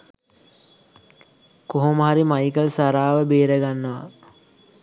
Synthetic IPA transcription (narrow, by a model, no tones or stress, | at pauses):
koɦoməɦaɾimajkəlsaɾaːʋəbeːɾəɡanːəʋa̰